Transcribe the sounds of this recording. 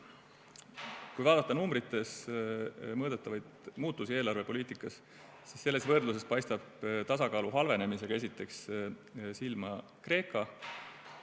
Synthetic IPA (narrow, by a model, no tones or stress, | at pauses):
kujvɑːd̪̥ɑt̪ːˑɑnumbɾit̪ːˑe̞s | mɤːd̪et̪ːˑɑvɑjd̪̥muːt̪ːˑusie̞ːlɑɾrve̞po̞liːt̪ˑikːˑɑs | si̥sːe̞lːe̞svɤrd̪luse̞spɑjst̪ɑbt̪ɑsɑkɑːluɦɑlve̞ne̞mise̞ɡ̥ɑe̞s̬it̪ːˑe̞ks | silmɑ | kre̞ːkːˑɑ